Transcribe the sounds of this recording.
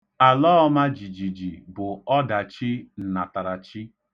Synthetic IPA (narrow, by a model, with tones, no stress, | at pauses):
a˨lɔ˦ɔ˦ma˦d͡ʒi˨d͡ʒi˨d͡ʒi˨bʊ˨ɔ˦da˨t͡ʃi˦n̩˨na˨ta˨ɾa˨t͡ʃi˦